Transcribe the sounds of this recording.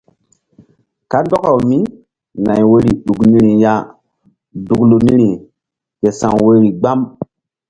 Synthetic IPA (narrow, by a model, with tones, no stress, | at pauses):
ka˦ndɔ˦ka˨wmi˦ | na˨jwe˦ɾi˨ɗu˨kni˦ɾi˨ja˦ | du˨klu˨ni˦ɾi˨ | ke˨sã˨ŋwe˦ɾi˨ɡ͡ba˦m